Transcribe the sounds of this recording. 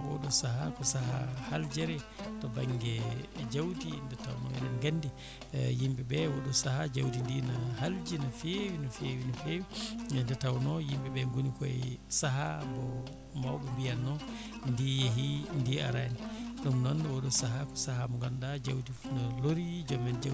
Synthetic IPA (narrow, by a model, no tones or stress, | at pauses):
bɔ̰ɗɔsaɦakɔsahahald͡ʒɛɾɛtɔbaŋɡɛd͡ʒawtindɛtawnɔ̰ɛ̰nɛnɡandi | jimbɛbɛwɔɗɔsahad͡ʒawtindinaɦald͡ʒinafewinɔfewinafewindɛtawnɔjimbɛbɛŋɡunikɔɛ̰saɦa̰bɔ | mawbɔmbijanːɔndijeɦindia̰ɾaniɗumnɔndɔwɔɗɔsaɦakɔ̥sahamɔŋɡandad͡ʒawtifunaloɾid͡ʒɔmɛnd͡ʒa